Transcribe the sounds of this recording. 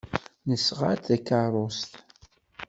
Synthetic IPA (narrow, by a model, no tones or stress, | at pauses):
nəsʁa̰ɾt̪ækːərˤost̪